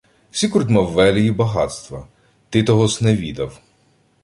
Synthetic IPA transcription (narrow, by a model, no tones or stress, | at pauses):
wsʲikʊɾt̪ʲmɑwːɛlʲijibɐɦɑ̰t̪st̪ʋɐ | t̪ɪt̪ɔɦɔsnɛʋʲid̪ɐw